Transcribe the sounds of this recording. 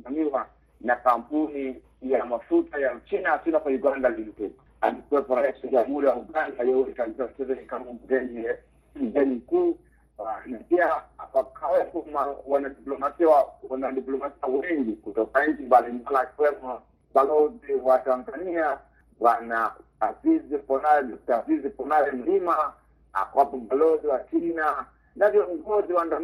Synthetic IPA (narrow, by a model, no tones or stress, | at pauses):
smamiwa | nakampuni | jamafutajat͡ʃinaasinakauɡandalim̩pu | alikuwɛpɔɾaisɔd͡ʒamuɾawauɡandajɛwɛikaɓisam̩t͡ʃɛzanikamɔmuɡɛnd͡ʒiɛ | m̩ɡɛnim̩kuː | anapiaakʰawɛpɔmawanaɗiplɔmasiwwanaɗiplɔmasiawɛŋɡikutɔkaɲ̩t͡ʃimbalimbaliakiwɛmɔ | balɔziwatanzania | wana | azizipɔnalɛɔtazizipɔnalɛm̩lima | a̰kwapɔbalɔziwat͡ʃina | navjɔŋɡɔziwandan